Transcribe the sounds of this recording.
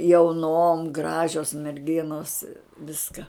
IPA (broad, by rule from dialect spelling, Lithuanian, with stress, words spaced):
jɛʊˈnoːm ˈɡrɑːʒʲoːs mʲɛrʲˈɡʲɪnoːs ˈʋʲɪskɐ